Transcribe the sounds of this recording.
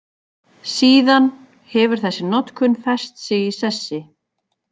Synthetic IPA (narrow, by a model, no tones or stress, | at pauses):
siːðan | hɛvʏɾ̥θɛsːɪnɔt̪kʰʏnfɛ̥st̪sɪisɛsːɪ